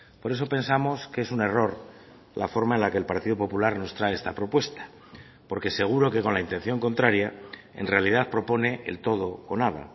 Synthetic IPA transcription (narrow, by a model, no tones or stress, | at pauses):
po̞ɾe̞s̬o̞pe̞nsamo̞skeesune̞ro̞ɾ | lafo̞ɾmae̞nlake̞ːlpaɾt̪iðopo̞pulaɾno̞st̪ɾaeest̪apɾo̞pwe̞st̪ḁ | po̞ɾke̞se̞ɣ̞uɾo̞ke̞ko̞nlaint̪e̞n̟θjo̞ŋkont̪ɾaɾjae̞̰nre̞alið̞aθpɾo̞po̞ne̞ʔḛlt̪o̞ð̞o̞ːnaða̰